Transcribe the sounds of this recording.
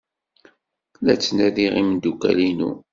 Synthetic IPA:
læt͡sːnæðiʁimd̪ukæ̰linṵ

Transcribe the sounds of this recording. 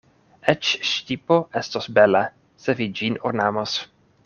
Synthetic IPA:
ʔɛt͡ʃʃtipoʔɛst̪osbɛlɛ | sɛvid͡ʒinoɾnamas

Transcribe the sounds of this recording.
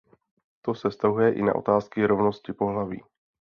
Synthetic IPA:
t̪o̞sɛst̪aɦujɛʔɪ̰na̰ʔo̞̰t̪aːskɪɾo̞vno̞scɪpo̞ɦlavḭː

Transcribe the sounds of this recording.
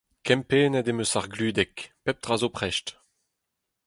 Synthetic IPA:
kɛ̃mpeːnɛd̪emøsaʁɡlyːd̪ɛkpɛp̚t̪ʁazopχɛʃt

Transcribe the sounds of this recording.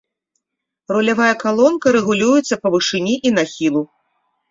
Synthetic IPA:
rulʲavajɐkalˠɔnkɐɾɛɣulʲujut̪sːɐpɐvɨʂɨnʲiʔinaxʲilˠu

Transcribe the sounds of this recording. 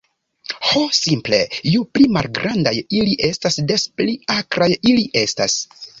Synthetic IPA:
hosimple̞̰juplima̰lɡɾʔandajiliʔe̞stasde̞spliakɾajiliʔe̞sta̰s

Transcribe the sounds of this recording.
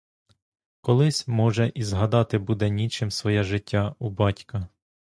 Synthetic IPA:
kɔlˠɪsʲmɔʒɛʔizɦɐd̪ɑt̪ɪbud̪ɛnʲit͡ʃɪmsʋɔjɛʒɪtʲʰːaubɑtʲkɐ

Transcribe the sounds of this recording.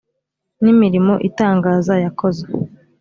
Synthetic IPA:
nimiɾimo̞ʔitaːŋɡaːzajako̞ze

